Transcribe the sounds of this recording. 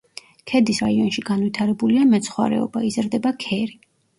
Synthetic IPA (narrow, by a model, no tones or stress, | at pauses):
kʰɛd̪isɾaiɔnʃiɡanvwit̪ʰaɾɛbuliamɛt̪sʰχwa̰ɾɛ̰ɔ̰baizɾd̪ɛbakʰɛɾi